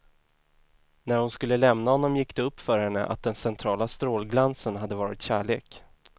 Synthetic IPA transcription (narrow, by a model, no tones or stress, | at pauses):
næɾhʊnskɵlːəlɛmnahɔnːɔmjɪkːd̪ɛɵpːfœɾhɛnːə̰ʔa̰t̪̚d̪ɛnsɛnt̪ʰɾɑːlast̪ɾoːlɡlansənɦad̪ːəvɑːɾɪt̪ɕæːɭeːk